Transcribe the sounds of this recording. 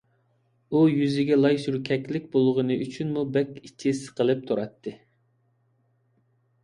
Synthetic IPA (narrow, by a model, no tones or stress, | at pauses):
ujyzɪɡʲɛlˠɑjsuɾkʲʰɛkʲlɪk̚ʲbolˠʁənɨʔyt͡ʃʰynmubɛkʲit͡ʃʰːisə̥qəlˠɨp̚t̪ʰuɾɑt̪ʰːɨ